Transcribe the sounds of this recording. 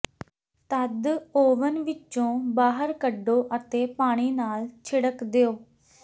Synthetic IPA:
t̪əd̪oːʋənʋɪt͡ʃõːbaːɦəɾkəɖoːʔət̪eːpaːɽ̃iːnaːlt͡ʃʰɪɽəkd̪eoː

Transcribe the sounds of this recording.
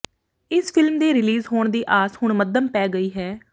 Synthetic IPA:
ɪspʰɪlmd̪eːɾɪliːzɦoːɳd̪iːʔaːshʊɳməd̪əmpɛːɡəiːɦɛː

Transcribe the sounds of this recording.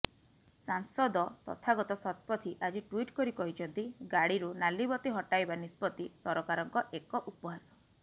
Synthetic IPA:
saŋsɔd̪ɔt̪ɔ̰t̪ʰaɡɔt̪ɔsɔt̪̚pɔt̪ʰiʔad͡ʒiʈwiʈkɔɾikɔɦit͡ʃʰɔnt̪iɡaɽiɾunalibɔt̪iɦɔʈajbanispɔt̪isɔɾɔkaɾɔŋkɔʔekɔʔupɔɦasɔ̥

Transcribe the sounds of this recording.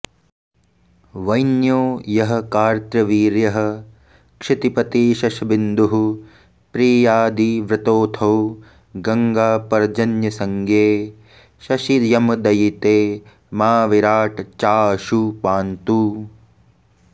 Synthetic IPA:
ʋɐjnjoːjɐɦɐ̆kaːɾt̪ɾɐʋiːɾjɐɦɐ̆ | kʂɪt̪ipɐt̪iʃɐʃɐbind̪uɦu | pɾiːjaːd̪iʋɾɪt̪oːt̪ʰɐw | ɡɐŋɡaːpɐɾd͡ʒɐnjɐsɐŋɡʱeː | ʃɐʃid̪jɐmɐd̪ɐjit̪eː | maːʋiɾaːʈt͡ʃaːʃupaːnt̪u

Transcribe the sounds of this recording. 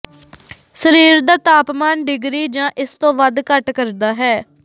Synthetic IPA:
səɾiːɾd̪aːt̪aːpmaːnɖɪɡɾiːd͡ʒãːʔɪst̪õːʋəd̪kəʈkəɾd̪aːɦɛː

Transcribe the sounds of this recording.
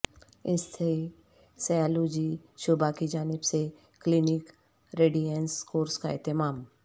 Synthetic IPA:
ɪsːe | sajaːloːd͡ʒiʃʊbakid͡ʒaːnɪbse | klinɪk | ɾeːɖijənskoːɾskaɪ̰t̪ɪmaːm

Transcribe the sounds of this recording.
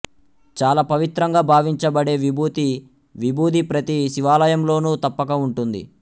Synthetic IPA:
t͡ʃaːlaːpɐʋit̪ɾɐŋɡaːbʱaːʋiɲt͡ʃɐbɐɽe̞ːʋibuːt̪i | ʋibʱuːd̪ʱipɾɐt̪iʃiʋaːlɐjɐmlo̞ːnuːt̪ɐpːɐkɐuɳʈund̪ḭ

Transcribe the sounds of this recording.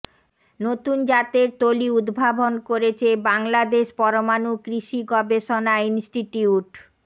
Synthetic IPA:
not̪und͡ʑat̪eɾt̪oliud̪bʱabʱonkoɾet͡ɕʰebaŋlad̪eʃpɔɾomanukɾiʃiɡɔbeʃonainsʈiʈiuʈ

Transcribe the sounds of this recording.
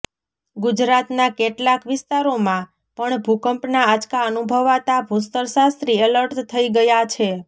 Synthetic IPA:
ɡud͡ʒɾat̪nakeʈlakʋɪst̪aɾomã | pəɳbʱukəmpnaad͡ʒkaənubʱəʋat̪abʱust̪əɾsast̪ɾiələɾʈt̪ʰəiɡəjat͡ʃʰe

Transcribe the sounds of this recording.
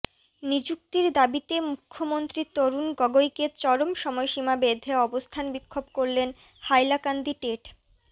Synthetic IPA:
nid͡ʑuk̚t̪iɾd̪abit̪emukʰːomont̪ɾit̪oɾunɡɔɡojket͡ɕɔɾomʃɔmɔeʃimabed̪ʱeɔbost̪ʰanbikʰːobkoɾlen | hajlakand̪iʈeʈ

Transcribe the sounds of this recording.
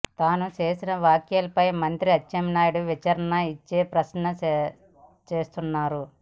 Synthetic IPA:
t̪aːnut͡ʃe̞ːsinɐʋaːkjɐlɐpɐjmɐnt̪ɾiɐt͡ʃːɐmnaːjuɽuʋit͡ʃɐɾɐnɐit͡ʃːeːpɾɐsnɐ | t͡ʃe̞ːst̪unːaːɾu

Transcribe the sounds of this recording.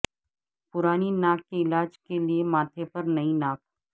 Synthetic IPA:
pʊɾaːninaːkːeɪlaːd͡ʒkeliemaːt̪ʰepɐɾnɐĩnaːk

